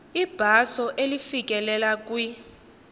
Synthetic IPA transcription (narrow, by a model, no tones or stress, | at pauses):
ib̥ʱasɔʔelifik̬ʼɛlɛlak̬ʼwi